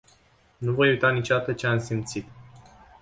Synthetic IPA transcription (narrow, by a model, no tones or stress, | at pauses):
nuvo̞jujt̪anit͡ʃod̪at̪ət͡ʃe̞amsimt̪sit̪